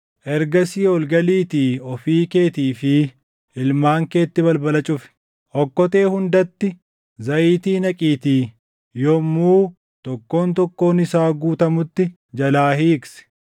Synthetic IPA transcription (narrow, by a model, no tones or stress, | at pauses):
ʔɛɾɡɐsiːɔlɡɐliːt̪iːɔfiːke̞ːt̪iːfɪ | ɪlmaːŋke̞ːt̪ːɪbɐlbɐlɐt͡ʃʼʊfɪ̥ | ʔɔkːɔt̪e̞ːhʊnd̪ɐt̪ːɪ | zɐʔiːt̪iːnɐkʼiːt̪iː | jɔmːuː | t̪ɔkːo̞ːnt̪ɔkːo̞ːnɪsaːɡuːt̪ɐmʊt̪ːɪ | d͡ʒɐlaːhiːɪksɛ̥